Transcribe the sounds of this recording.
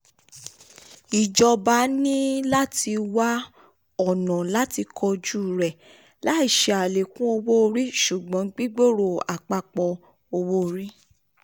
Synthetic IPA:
i˨d͡ʒɔ˧ba˨˦nĩ˦la˦ti˧wa˦ | ɔ˦˨nɔ̃˨la˦ti˧kʰɔ˧d͡ʒu˦˨ɾɛ˨ | la˦i˦˨ʃe˧˦a˨le˨kũ˦o˧wo˦˧ɾi˦ʃu˨ɡ͡bɔ̃˨˦ɡ͡bi˦ɡ͡bo˦˨ɾo˨a˨k͡pa˧k͡pɔ˧ | o˧wo˦˧ɾi˦

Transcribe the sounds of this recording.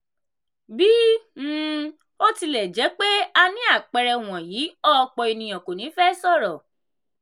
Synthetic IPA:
bi˦˨ | o˦ti˧lɛ˨d͡ʒɛ˨˦k͡pe˦a˧nĩ˦a˦˨k͡pɛ˧ɾɛ˧w̃ɔ̃˨jiː˨˦ɔ˦˧k͡pɔ˨i˧nĩ˨j̃ɔ̃˨ko˨nĩ˨˦fɛ˦sɔ˦˨ɾɔ˨

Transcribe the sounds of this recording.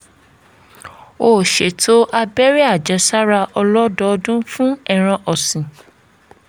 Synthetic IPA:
o˦˨ʃe˨tʰo˦ʔa˧bɛ˦ɾi˦a˦˨d͡ʒɛ˨˦sa˦ɾa˧ʔɔ˧lɔ˦dɔ˦˧dũ˦fũ˦ɛ˦˨ɾ̃ã˧ʔɔ˨sĩ˨

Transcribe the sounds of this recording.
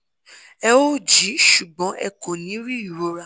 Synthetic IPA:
ɛ˦˧wo˦˨d͡ʒi˨˦ʃu˨ɡ͡bɔ̃˨˦ʔɛ̰˧˨ko˨nĩ˨˦ɾi˦u˨o˧ɾa˧˨

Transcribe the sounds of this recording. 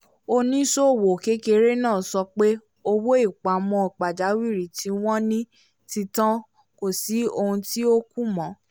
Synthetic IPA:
o˧nĩ˦so˦˨wo˨ke˦ke˧ɾe˦nãː˦˨sɔ˧k͡pe˦ | o˧wo˦i˦˨k͡pa˨mɔ̃˧i˨k͡pa˨d͡ʒa˨˦wi˦˨ɾi˨tʰi˨˦w̃ɔ̃˦nĩ˦ | ti˧tã˦ | ko˦˨si˨˦o˧hũ˧ti˦o˦ku˦mɔ̃˨˦

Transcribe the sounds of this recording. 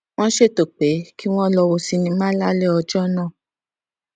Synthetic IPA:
w̃ɔ̃˦ʃe˦˨to˨k͡pe˨˦ki˦w̃ɔ̃˦lɔ˧wo˧si˧nĩ˧mã˦la˦le˦ɔ˧d͡ʒɔ˦nã˦˨

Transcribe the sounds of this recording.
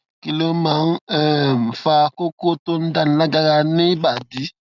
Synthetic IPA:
ki˨le˦ma˨˦n˦ɛ˦˨m˨fa˧ko˦ko˦to˦n̩˦da˦n̩˨la˦ɡa˧ɾa˧ne˦ba˨di˨˦

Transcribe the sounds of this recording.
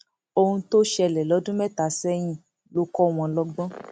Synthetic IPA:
o˧hũ˧to˦ʃɛ˧lɛ˨lɔ˨˦dũ˦mɛ˦ta˨sɛ˦j̃ĩ˦˨ | lo˨˦kɔ˦w̃ɔ̃˧lɔ˦ɡ͡bɔ̃˦

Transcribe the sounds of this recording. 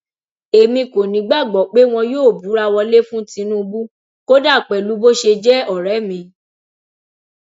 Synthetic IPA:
e˨mĩ˧ko˨nĩ˨˦ɡ͡ba˦˨ɡ͡bɔ˨k͡pe˦w̃ɔ̃˧joː˦˨bu˨˦ɾa˧wɔ˧le˦fũ˦tĩ˨˧˦nũ˦˧bu˦ | ko˦da˦˨k͡pɛ˨lu˨˦bo˦ʃe˧d͡ʒɛ˦ɔ˨ɾɛ˨˦mĩ˧

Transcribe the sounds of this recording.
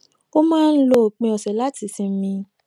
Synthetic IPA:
o˦mãː˦˧n̩˦lo˧˦o˨k͡pẽ˧˨ɔ˨sɛ˨la˦ti˨˧˦sĩ˧˦mĩ˧

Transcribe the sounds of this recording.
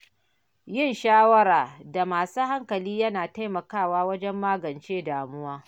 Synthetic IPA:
jɪ˦˨nʃaː˦wɐ˦ɾaː˨da˨maː˨suː˦ha˦ŋkɐ˨liː˦jɐ˦naː˨ta˦jmɐ˨kaː˦˨waː˦wɐ˦d͡ʒɛ˦mːaː˦ɡɐ˨nt͡ʃeː˦daː˨mʊ˦waː˦

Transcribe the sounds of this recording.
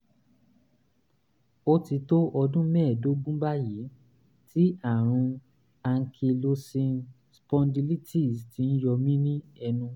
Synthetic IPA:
o˦ti˧to˦ʔɔ˧dũ˦mɛ̃ː˦˨do˦ɡ͡bũ˦ba˦ji˨˦ | tʰi˦a˦˨ɾ̃ũ˧ | a˧ŋ̩˧kʰi˧lo˧sĩ˧ | spɔ̃˧ndi˧li˦ti˦˨sti˨˦n̩˦jɔ˧mĩ˦nĩ˦ɛ˧nũ˧

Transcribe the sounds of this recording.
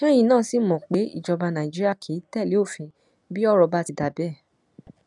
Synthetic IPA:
ʃɛ̃˦j̃ĩ˧nãː˦˨si˦˨mɔ̃˨k͡pe˨˦ḭ˦˨d͡ʒɔ˧ba˧nã˨i˨d͡ʒi˦ɾi˦a˦˨kʰi˨˦tɛ˦˨li˨˦o˦˨fĩ˧ | bi˦ɔ˦ɾɔ˧ba˦ti˧da˨bɛ˦˨

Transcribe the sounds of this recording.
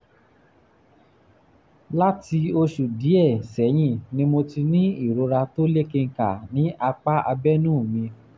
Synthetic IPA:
la˦ti˧o˧ʃu˨di˨˦ɛ˦˨sɛ˨˦j̃ĩ˦˨nĩ˧˦mo˧ti˧nĩ˦i˦˨ɾo˨˧ɾa˧to˦le˦ke˧ŋ̩˨ka˨nĩ˨˦ʔa˧k͡pa˦ʔa˧bɛ˦nũ˦˨mĩ˧

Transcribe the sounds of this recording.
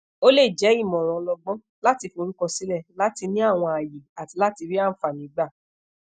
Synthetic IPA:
o˦le˦˨d͡ʒɛ˨˦i˦˨mɔ̃˨ɾ̃ɔ̃˨lɔ˧ɡ͡bɔ̃˦ | la˦ti˧fo˧ɾi˦kɔ˧si˨˦lɛ˦˨la˦ti˧nĩ˦a˦˨w̃ɔ̃˧a˨ji˨a˨ti˨˧la˦ti˧ɾi˦a˦˨fa˨nĩ˨˦ɡ͡ba˦˨

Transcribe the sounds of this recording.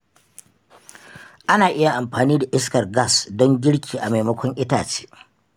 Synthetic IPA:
ʔa˦naː˨ʔɪ˦ja˨ʔa˨mɸaː˨niː˦da˨ʔɪ˦s̬kɐ˨rɡa˦˨sdɔ˦ŋɡʲɪ˦ɽkʲʰiː˨ʔa˨ma˨jmɐ˦kʷɔ˦ŋʔɪ˦taː˨t͡ʃe̥ː˦

